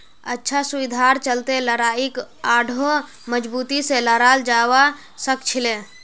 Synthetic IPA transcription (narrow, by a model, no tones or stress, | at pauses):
ə̰tːʃʰasubid̪ʱaɾt͡ʃəlt̪eləɾaikaɖʱo | məd͡ʒbut̪iseləɾald͡ʒawa | səkt͡ʃʰile